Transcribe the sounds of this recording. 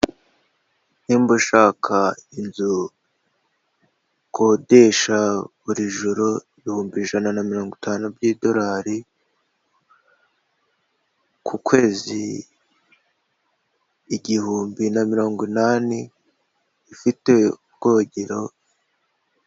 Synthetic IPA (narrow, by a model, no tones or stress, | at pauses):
niːmbuʃaːkʰainzu | kʰode̞ʃaβuɾiʒuɾoiβihuːmbiːʒananamiɾo̞ːŋɡitʰaːnubjido̞ɾaːɾi | kʰukwe̞ːzḭ | ɟihuːmbinamiɾo̞ːŋɡwinaːniː | fiteub̚ɡ̥oɟeɾo̞